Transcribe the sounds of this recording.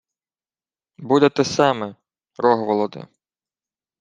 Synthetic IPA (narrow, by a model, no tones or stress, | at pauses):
bud̪et̪ɛsɑmɛ | ɾɔɦʋɔlˠɔd̪ɪ̰